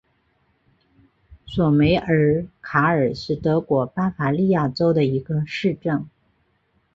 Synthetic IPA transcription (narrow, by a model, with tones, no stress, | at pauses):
swɔ˨˩me˧˥ɪʔə˞˧˥kʰa˧˥ə˞˨˩ʂɻ̩˥˩t̪ɤ˧˥kwɔ˧˥pa˥fa˨˩li˥˧ja˥˩ʈ͡ʂo˥ʊd̪ə˨i˧˥ɡə˧ʂɻ̩˥˧ʈ͡ʂə˥˩ŋ